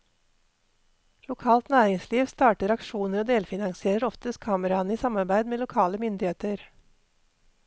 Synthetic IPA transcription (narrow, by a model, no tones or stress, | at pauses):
lʊkʰɑːlt̪næːɾɪŋsliːʋst̪ɑːʈəɾɑkʃuːnəɾoːd̪eːlfɪnɑŋsɪeːɾəɾɔft̪əst̪kʰɑːməɾɑniːsɑmɑɾbæɪd̪meːlʊkʰɑːləmʏnd̪ɪheːt̪əɾ